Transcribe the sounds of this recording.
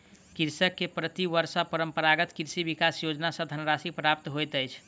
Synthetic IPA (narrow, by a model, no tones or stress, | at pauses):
kiɾsəkːepɾət̪iʋəɾsəpəɾəmpəɾaɡət̪kiɾsibikasjod͡ʒnasə̃d̪ʱənɾasipɾap̚t̪ɦojt̪əjt͡ʃʰ